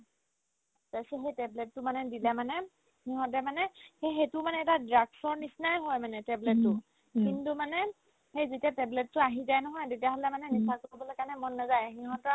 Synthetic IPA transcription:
zasɛxejtɛblɛtːʊmanɛdilɛmanɛ | hiɦɔ̃tɛmanɛxexetʊmanɛːtadɹaɡsɔɹnisnajɦojmanɛtɛblɛtːʊ | kintumanɛ | xejzitiatɛblɛtːʊaɦizajnɔɦɔjtetijaɦɔlɛmanɛnisakoɹibɔlojkaɹnɛmɔnːazajxiɦɔ̃tɔ

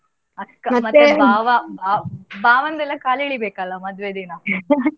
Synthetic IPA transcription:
ɐd̪kɐmɐtmɐt̪ːebaːʋɐbaːbaːʋɐnd̪ɛlːɐkaːliɭibeːkɐlːɐmɐd̪ʋed̪inɐ

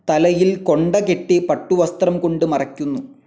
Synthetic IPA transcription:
t̪ɐlɐjilko̞ɳɖɐkeʈːipɐʈːuʋɐst̪rɐmko̞ɳɖɨmɐrɐkʲːunːu

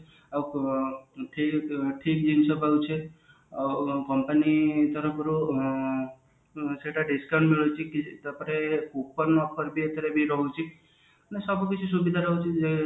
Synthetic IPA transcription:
aw | ʈʰiʈʰikd͡ʒinsɔpawt͡ʃʰe | kɔmpənit̪ɔɾɔkɔɾu | seʈaɖiskaɳɖmiɭɔt͡ʃʰikit̪ɔpɔɾekuk̚pɔɾnɔpʰɔɾbiət̪jaɾebʱiɾɔɦut͡ʃʰi | nesɔbɔkit͡ʃʰusubid̪ʱaɾɔɦut͡ʃʰie

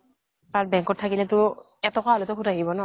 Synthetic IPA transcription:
t̪aɹbɛŋkɔt̪ʰːakilɛt̪ʊ | ɛt̪ɔkaalot̪ɔkʰutaɦibɔnɔ

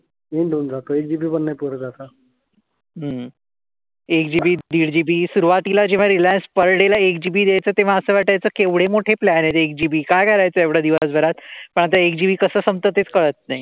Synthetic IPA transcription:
enɖond͡zat̪oek̚d͡ʑibiːbənːəjpuɾəd͡zat̪a | ɦə | ekd͡ʑibiːd̪iɽd͡ʑibiːsuɾuʋat̪ilad͡ʑeʋ̤aɾilanspəɾɽelaekd͡ʑibiːd̪jajt͡səːt̪eʋ̤ãəsəːʋaʈajt͡səːkeʋɽ̤emoʈʰeplanat̪eek̚d͡ʑibiːkajkʰəɾajt͡səːjaʋɽ̤ad̪iʋəsbʱəɾat̪pəɳ̃at̪̬aek̚d͡ʑibiːkəsəːsəmt̪ət̪ːet͡skəɭət̪̚naɦi

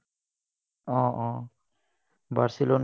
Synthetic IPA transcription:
ɔ̃ʔɔ̃ | baɾsilon

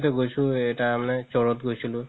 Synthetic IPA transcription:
tɛɡojsʊ̃ɛtamanɛt͡ʃɔɹɔtɡojsilʊ̃

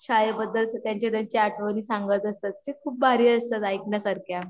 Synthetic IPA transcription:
ɕajəbəd̪ːəlsət̪jaɲt͡ɕad̪əɲt͡ɕeaʈʰʋəniːsaŋɡət̪əst̪at̪̚t͡ɕekʰuːp̚bʱaɾiːəst̪at̪ajkɳjasəɾkʰja

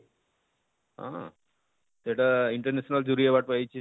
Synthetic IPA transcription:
ɦã̰ | t̪eʈaiɳʈəɾnesnald͡ʑuɾiabaʈpajt͡ʃʰe

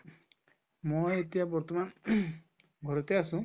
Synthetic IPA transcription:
moet̪ijabɔɾt̪ɔman | ɡʱɔɾɔt̪easũ

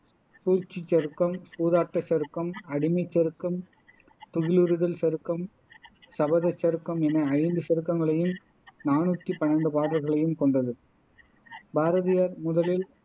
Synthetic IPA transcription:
suːɾt͡ʃːit͡ʃːɐɾɯkːɐmsuːðaːʈːɐt͡ʃːɐɾɯkːɐmɐɽɪmɐɪt͡ʃːɐɾɯkːɐm | t̪ʊɣɪlɯɾɯðɐlsɐɾɯkːɐm | sɐbɐðɐt͡ʃːɐɾɯkːɐmɛnɐɐɪnd̪ɯsɐɾɯkːɐŋɡɐɭɐjɯm | naːnuːt̪ːipɐnːɐɳɖɯpaːɾɐɾɣɐɭɐjɯmkɔɳɖɐðɯ | bʱaːɾɐðɪjaːɾmʊðɐlɪl

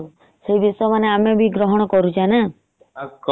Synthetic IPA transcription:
seɦibisɔjɔmaneamebʱiɡɾɔɦɔɽ̃ɔkɔɾut͡ʃʰana

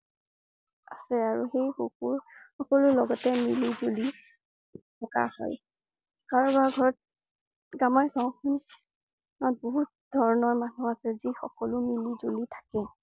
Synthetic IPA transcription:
asɛaɹuxejxukuɹxɔkɔlʊlɔɡɔtɛmilizoli | tʰɔka̰hɔ̰j | kaɹɔbaɡʱɔɹɔt̚ | ɡamaɹɡaw̃kʰɔn | nɔt̚boɦut̚dʱɔɹɔnɔɹmanuasɛzixɔ̰kɔlʊmilizolitʰḁkɛ

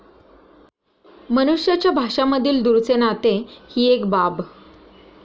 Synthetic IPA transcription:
mənuʂjat͡ɕjabʱaʂaməd̪ʱiːld̪uɾt͡senat̪ehiːekbab

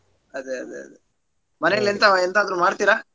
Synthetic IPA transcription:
ɐd̪eɐ̰d̪eɐ̰d̪e | mɐnejɐlːent̪ɐent̪aːd̪ɾumaːɖt̪iɾa

